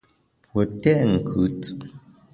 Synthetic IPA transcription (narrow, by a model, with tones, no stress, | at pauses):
pwɔ˨tɛ˦ʔŋ̩˨kʰʉ˨t͡sɨ̥˨ʔ